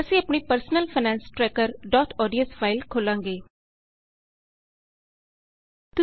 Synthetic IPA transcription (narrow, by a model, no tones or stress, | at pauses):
əsĩːɐpɳ̃ipəɾsnəlfʰənɛ̃ːnsʈɾɛːkəɾɖɔːt̪ʰɔːɖijəsfʰaːɪlkʰoːlãːŋɡeː | t̪ʊ